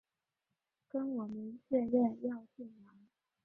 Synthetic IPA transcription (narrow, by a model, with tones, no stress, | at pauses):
kə˥nwɔ˨˩mə˦nɕɥɛ˥˧ɻɛ˥˧njɑ˥˧ʊɕi˥˩nmjɑ˧˥ŋ